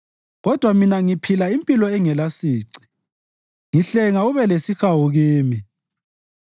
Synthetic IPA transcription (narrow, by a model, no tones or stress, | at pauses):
ɣɔd̥ʱwaminaŋipʰilaimpʼilɔɛŋɛlasiːǀi̥ | ŋiɬɛŋauβɛlesixawuɣiːmi